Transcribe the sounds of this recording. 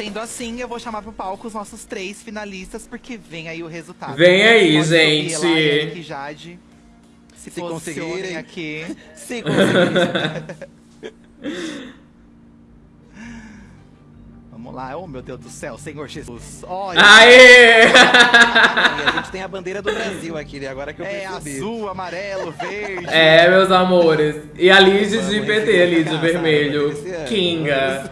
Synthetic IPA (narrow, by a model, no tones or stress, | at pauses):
sẽnd̪ʊasĩewvowʃamaɾpɾʊpawkʊʊznɔsʊst̪ɾejsfinalist̪ɐspʊɾkʰevẽj̃aiʊhezut̪ad̪vẽj̃aiʒẽt͡ʃɪkiʒad͡ʒɪ | sɪfɪoõseɡiɾẽj̃akʰisik | vɐ̃mʊ̰laomewd̪ewzd̪ʊsɛwssẽɲoɾʒesɔai | ʒẽt͡ʃɪ̥t̪ẽj̃ɐbɐ̃d̪eɾɐd̪ʊbɾaziwakiaɡɔɾɐɛkewpebiuamaɾɛlʊɛmewzamoɾɪs | ɪalid͡ʒɪd͡ʒɪpet̪ealid͡ʒɪveɾmeʎʊ | kĩŋɡɐ